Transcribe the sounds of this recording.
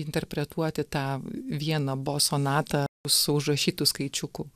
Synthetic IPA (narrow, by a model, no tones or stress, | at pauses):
ɪnt̪ʲɛɾʲpʲɾʲɛt̪uɔt̪ʲɪt̪ɑːʋʲiɛnɐboːsoːnɑːt̪ɐʊsʊʊʒrɐʃʲiːt̪ʊskɐɪt͡ʃʲʊkʊ